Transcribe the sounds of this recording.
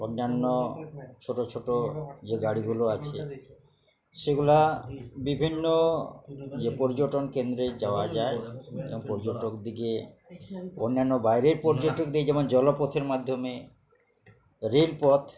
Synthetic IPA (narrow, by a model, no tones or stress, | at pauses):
onːanːot͡ʃʰoʈot͡ɕʰoʈod͡ʑeɡaɽiɡuloat͡ɕʰe | ʃeɡulabibʱinːo | d͡ʑepɔɾd͡ʑoʈonkend̪ɾed͡ʑaoad͡ʑaeḛboŋpɔɾd͡ʑoʈokd̪iɡe | onːanːobajɾeɾpɔɾd͡ʑoʈok̚d̪ied͡ʑɛmond͡ʑɔlopɔt̪ʰeɾmad̪ʱːome | ɾelpɔt̪